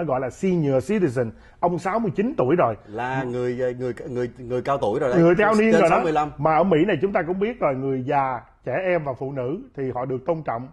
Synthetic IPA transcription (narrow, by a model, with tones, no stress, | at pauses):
ɔ˨˦jɣɔ̰˧˨jlaː˨˩si˧ɲɨ˨˩əsi˧t̪i˧zə˨˩n | ʔə˧wŋ͡msaː˨˦wmɨ˧jt͡ɕi˨˦nt̪u˧˩əjzo˨˩jlaː˨˩ŋɨ˨˩əjŋɨ˨˩əjŋɨ˨˩əjŋɨ˨˩əjkaː˧wt̪u˧˩ə˨jzo˨˩ŋɨ˨˩əjt̪ʰaː˧wni˧ənzo˨˩˨ɗɔ˨˦˧jla˧mmaː˨˩ʔəː˧˩mḭ˧˥na˨˩jt͡ɕʊ˨˦ŋ͡mt̪aː˧kʊ̰˧˥ŋ͡mɓi˦˥ət̚zo˨˩jŋɨ˨˩əjzaː˨˩ | t͡ɕɛ˧˩ʔɛ˧mvaː˨˩fṵ˧˨nɨ̰˧˥t̪ʰi˨˩hɔ̰˧˨ɗɨ˨˩ək̚t̪o˧nt͡ɕɔ̰˧˨wŋ͡m